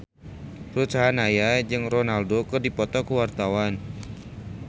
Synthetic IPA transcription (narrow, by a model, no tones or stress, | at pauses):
pəɾut͡ʃaɦanajad͡ʒɨŋrɔnaldokərdipɔt̪ɔkəwart̪awan